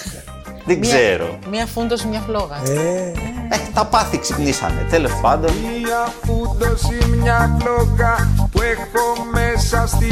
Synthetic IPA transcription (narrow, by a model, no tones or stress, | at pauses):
ðeɡzze̞ɾo̞̰miɐfund̪osimɲɐfloɣɐe | eçit̪ɐpɐθiksipnisɐ̰net̪elespɐnd̪onɐfund̪osimɲɐfloɣɐpuexomesɐst̪i